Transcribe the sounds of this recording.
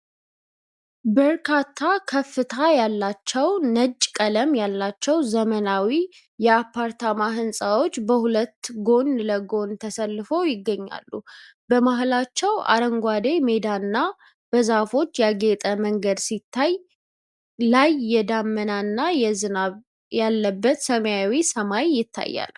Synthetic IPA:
bəɾkʰat̪ʰːakʰəfːɨt̪ʰajalːat͡ʃːɛwnəd͡ʒʼkʼələmjalːat͡ʃːɛwzəmənawi | jɛapʰːaɾt̪ʰamaɦɨnsʼawo̞t͡ʃːbəhulət̪ːɡo̞nləɡo̞nt̪ʰəsəlːɨfojɪɡːəɲːa̰lːu | b̥əmaɦlat͡ʃːɛwa̰ɾəŋɡʷad̪eme̞d̪anːa | b̥əzafo̞t͡ʃːjaɡe̞t̪ʼəməŋɡəd̪sit̪ʰːaj | lajːɛd̪amːənanːajɛzɨnaβ | jalːəbːət̪səməjawisəmajːɪt̪ʰːa̰jːa̰l

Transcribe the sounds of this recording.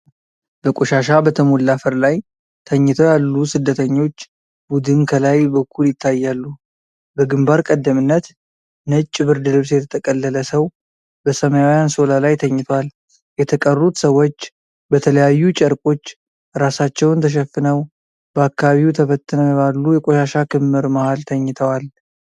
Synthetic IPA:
b̥əkʼoʃaʃabət̪ʰəmolːafəɾlaj | t̪ʰəɲːɪt̪ʰojalːusɨd̪ːət̪ʰəɲːo̞t͡ʃː | bud̪ɨnkʰəlajbəkʰːuljɪt̪ʰːajːalːu | bəɡɨmbaɾkʼəd̪ːəmɨnːət̪ | nət͡ʃʼːbɨɾd̪ɨlɨβsjɛt̪ʰət̪ʰəkʼəlːələsəw | bəsəməjawjanso̞lalajt̪ʰəɲːɪt̪ʰwal | jɛt̪ʰəkʼərːut̪səwːo̞t͡ʃː | bət̪ʰələjajːut͡ʃʼəɾkʼo̞t͡ʃː | ɾasat͡ʃːɛwnt̪ʰəʃ̬ɛfːɨnəw | bəakːaβaβiwt̪ʰəβət̪ːɨnəɛβalːujɛkʼo̞ʃaʃakɨmːɨɾmahalt̪ʰəɲːɪt̪ʰəwal

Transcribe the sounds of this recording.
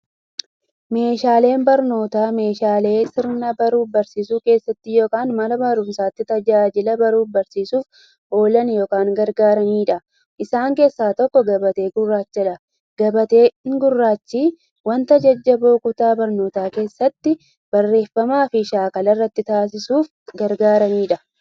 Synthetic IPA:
me̞ːʃaːle̞ːnbɐɾno̞ːt̪aːme̞ːʃaːle̞ːsɪɾnɐbɐɾuːbɐɾsiːsuːke̞ːsːɐt̪ːɪjo̞ːkaːnmɐnɐbɐɾʊmsaːt̪ːɪt̪ɐd͡ʒaːd͡ʒɪlɐbɐɾuːbɐɾsiːsuːf | ʔo̞ːlɐnjoːkaːŋɡɐɾɡaːɾɐniːᶑɐ | ʔɪsaːŋke̞ːsːaːt̪ɔkːɔɡɐbɐt̪e̞ːɡʊrːaːt͡ʃːɐᶑɐ | ɡ̥ɐbɐt̪e̞ːɪŋɡʊrːaːt͡ʃːiː | wɐnt̪ɐd͡ʒɐd͡ʒːɐbo̞ːkʊt̪aːbɐɾno̞ːt̪aːke̞ːsːɐt̪ːɪ | b̥ɐrːe̞ːfːɐmaːfɪʃaːkɐlɐrːɐt̪ːɪt̪aːs̬ɪsuːf | ɡɐɾɡaːɾɐniːᶑɐ

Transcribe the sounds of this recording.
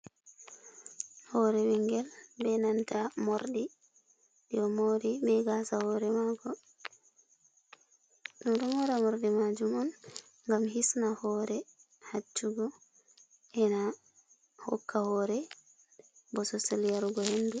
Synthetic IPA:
hɔɾɛwiŋɡɛlbɛnantamɔɾdi | diɔmoɾibɛɡasahɔɾɛmaɡɔ | ɗundɔmhɔɾɛmɔɾdimad͡ʒumɔn | ŋɡamhisnahɔɾɛ | hat͡ʃːuɡɔ | ɛna | hɔ̰kːahɔːɾɛ | bɔsɔseljaɾuɡɔhendɛ

